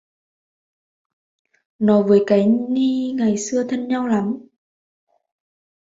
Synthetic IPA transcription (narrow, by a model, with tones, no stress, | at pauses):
nɔ˨˦vəː˨˦jkaː˨˦jni˧ŋa˨˩jsɨ˧ət̪ʰə˧nɲa˧wla˨˦m